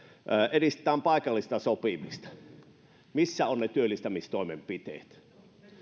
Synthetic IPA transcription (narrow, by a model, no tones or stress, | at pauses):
ʔːerist̪ĕ̥t̪ˑæːmpɑˑikɑlːist̪ɑsopimist̪ɑ̥ | misːæonnet̪yølːˑist̪æmist̪oˑimempit̪ḛːt̪